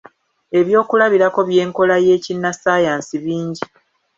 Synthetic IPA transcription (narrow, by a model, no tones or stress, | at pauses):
e̞βjo̞ːkulaβiɾako̞βje̞ːŋko̞laje̞ːcinːasaːjaːnsiβiːɲɟi